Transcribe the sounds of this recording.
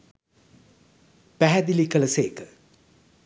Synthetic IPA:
pæɦæd̪ilikələseːkə̥

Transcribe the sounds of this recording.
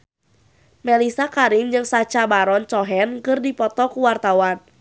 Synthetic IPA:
melisakaɾimd͡ʒɨŋsat͡ʃabaɾɔnt͡ʃɔɦɛnkɨrdipɔt̪ɔkuwart̪awan

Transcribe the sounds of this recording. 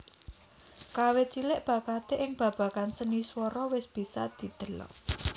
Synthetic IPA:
kawet͡ʃilɪʔb̥ä̤kat̪eʔɪŋb̥ä̤b̥ä̤kansəniswɔɾɔwɪsb̥i̤sad̪̥i̤d̪̥ə̤lɔ̰

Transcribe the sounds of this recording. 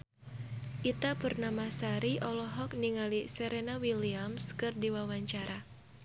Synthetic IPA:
ʔit̪apɨrnamasaɾiʔɔlɔɦɔk̚niŋalisɛɾenawiliamskɨrdiwawaɲt͡ʃaɾʔa

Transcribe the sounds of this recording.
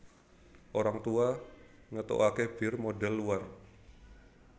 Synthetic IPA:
ʔoɾaŋt̪ua | ŋət̪o̰ʔakeb̥ɪrmodɛlːuar

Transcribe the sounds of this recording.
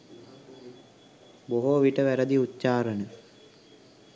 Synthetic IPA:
boɦoʋiʈəʋæɾəd̪iutːt͡ʃaːɾənə

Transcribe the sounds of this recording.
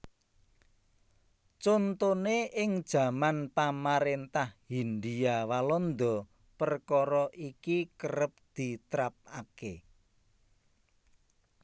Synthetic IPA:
t͡ʃont̪oneʔɪŋd̥ʒ̥ä̤manpamaɾent̪ahhinɖ̪iawalɔnd̪ɔ̤ | pərkɔɾɔʔikikəɾəp̚d̪̥i̤t̪ɾap̚ake

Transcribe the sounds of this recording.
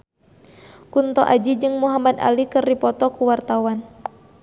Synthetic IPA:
kunt̪ɔʔa̰d͡ʒid͡ʒɨŋmuɦamad̪a̰likɨrdipɔt̪ɔkuwart̪awan

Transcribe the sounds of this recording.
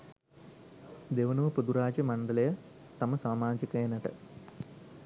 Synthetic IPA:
d̪eʋɐnuʋɐpod̪uɾaːd͡ʒɐmɐɳɖɐlɐjɐ | t̪ɐmɐsaːmaːd͡ʒikɐjɐnɐʈə̰

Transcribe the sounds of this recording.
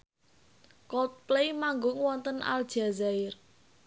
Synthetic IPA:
kɔt̪̚plejmaŋɡʊŋwɔnt̪ənʔa̰ld̥ʒ̥azaɪr

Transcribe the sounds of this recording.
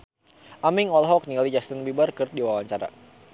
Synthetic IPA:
ʔamiŋɔlɦɔk̚niŋɡalid͡ʒast̪ənbibarkərt̪̚diwawaɲt͡ʃaɾa̰

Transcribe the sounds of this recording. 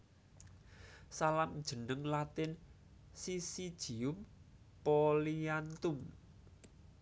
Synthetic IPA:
salamʒ̥ə̤nəŋlat̪ɪn | sisid̥ʒ̥i̤ʊm | pɔliant̪um

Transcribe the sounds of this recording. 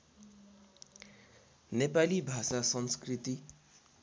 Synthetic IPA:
nepalibʱasasʌnskrit̪i

